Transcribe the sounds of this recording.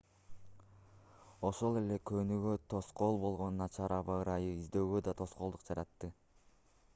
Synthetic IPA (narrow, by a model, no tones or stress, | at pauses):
o̞ʃo̞lˠe̞le̞kʰønyɡøt̪ʰo̞sqo̞lˠbo̞lˠʁo̞nunɑt͡ʃʰɑɾɑβɑɯɾɑjɯizd̪e̞ːɡød̪ɑt̪ʰo̞sqo̞lˠd̪uqd͡ʒɑɾɑt̪ːɯ